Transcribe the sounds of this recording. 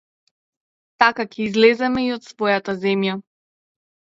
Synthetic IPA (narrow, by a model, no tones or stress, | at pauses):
t̪akakʲɛizlɛzɛmɛiɔt̪svɔjat̪azɛmja